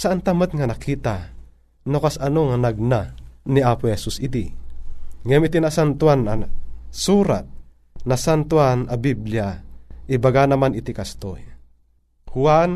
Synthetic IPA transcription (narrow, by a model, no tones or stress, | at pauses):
saʔant̪ɐmət̪̚ŋanakʰiːt̪a | nokasɐnoŋanaɡ̚naniaːpohɛsusɪd̪i | ŋɛjmɪt̪inasant̪wanasuːɾa̰t̪̚ | nɐsant̪uanɐbibljaʔɪbaɡanɐmanɪt̪ikast̪oj | huan